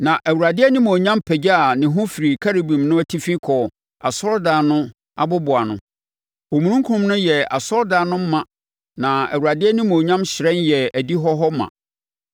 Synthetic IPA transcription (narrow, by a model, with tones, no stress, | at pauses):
nã˨ʔæ˨wu˨ɾa˨dɪ˦ɛ˦nĩ˦mo˨ɲã˦mpʰɛ˨d͡ʑa˦a˨nɪ̃˨ɦʊ̃˦fi˨ɾi˨kʰa˦ɾi˨bĩ˨mnʊ̃˦æ˦tʰi˦fĩ˦kʰɔ˨ | a̰˨sɔ˦ɾdaː˨˦nʊ̃˦ | a̰˨bʊ˦bʊ˨a˨nʊ̰̃˨ | o˨mũ˨ɾũ˦ŋkʰu˦ʊ̃˨mnʊ̃˦jɛ˨a˨sɔ˦ɾdaː˨nʊ̃˦m̩˦mã˨ | nã˨æ̰˨wu˨ɾa˨dɪ˦ɛ˦nĩ˦mo˨ɲã˦mɕɪ˨ɾɛ̃˦njɛ˨æ˨di˦ɦɔ˦ɦɔ˦mã̰˨